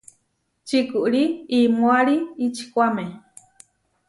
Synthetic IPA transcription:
t͡ʃikuʔɽiimoaɾiit͡ʃi̥kʷame

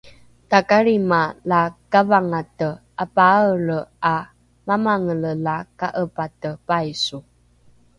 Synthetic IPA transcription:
takaɾimalakavaŋatə | apaəɭəa | mamaŋələlakaʔəpatəpajsu

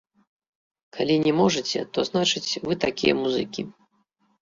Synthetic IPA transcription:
kʰalʲinʲɛmɔʐɨt͡sʲɛ̰t̪ɔznat͡ʂɨt͡sʲvɨt̪akʲijɛ̰muzɨkʲi

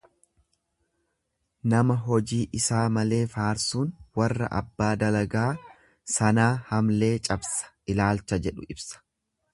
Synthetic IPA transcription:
nɐmɐɦɔd͡ʒiːʔɪsaːmɐle̞ːfaːɾsuːnwɐrːɐ̰ʔɐ̰bːaːd̪ɐlɐɡaː | sɐnaːhɐmle̞ːt͡ʃʼɐbsɐ̥ʔɪlaːlt͡ʃɐd͡ʒɛᶑʊɪbsɐ̥

